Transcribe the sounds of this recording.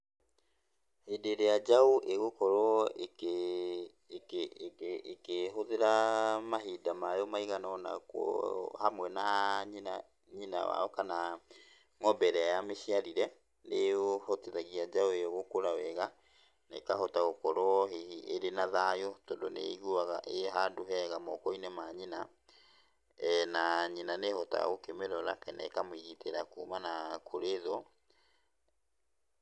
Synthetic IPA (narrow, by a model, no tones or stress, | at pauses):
hedeɾead͡ʒaoʔeɣokɔɾɔek | keɦoðeɾamaɦidamajɔmaiɣanɔna̰kwɔ̰hamwɛnaɲa | ɲina̰wa̰ɔkana | ŋɔbɛɾɛajameʃiaɾiɾɛ | neohɔteðaɣiad͡ʒaeɔɣokoɾawɛɣa | nḛkaɦɔtaɣokɔɾɔɔɦiiʔeɾenaðajotɔndonḛɣuaɣa̰ʔeɦandoɦɛɣamɔkɔinemaɲina | naɲinanehɔta̰ɣokemeɾɔɾakɛnɛ̰kamwiɣiteɾakumanakʰoɾeðɔ